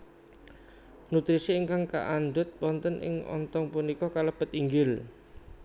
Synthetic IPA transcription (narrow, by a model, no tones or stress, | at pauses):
nut̪ɾisiːŋkaŋka̰ʔanɖʊt̪̚pɔnt̪ənʔɪ̰ŋɔ̰nt̪ɔŋpunikɔkaləb̥ə̤t̪iŋɡɪl